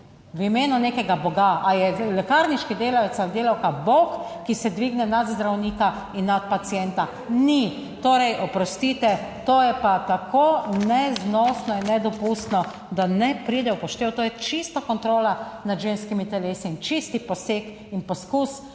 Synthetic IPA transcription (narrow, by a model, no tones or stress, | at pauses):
wimeːnunekɛɡabɔɡaʔajɛlɛkaɾniʃkid̪eːlajɛsad̪eːlawkabokkːisɛd̪ʋiːɡnɛnad̪zd̪ɾawniːka | inːat̪̚pat̪siɛnt̪a | ni | t̪oːɾɛjʔɔpɾɔst̪it̪ɛt̪oːjɛpat̪akoːnɛznɔsnɔinːɛd̪ɔpust̪nɔ | d̪anɛpɾid̪ɛwpɔʃt̪eːwt̪oːjɛt͡ʃist̪akɔnt̪ɾoːlanad̪ʒeːnskimit̪ɛleːsiːnt͡ʃist̪ipɔseːk | inpɔskus